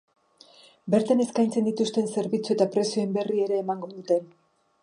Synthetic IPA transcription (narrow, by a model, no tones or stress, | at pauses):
be̞ɾt̪ane̞skajnt͡se̞nd̪it̪ust̪e̞nse̞ɾβit͡sue̞t̪apɾe̞soe̞mbe̞rie̞ɾe̞ːmaŋɡo̞ðut̪e̞n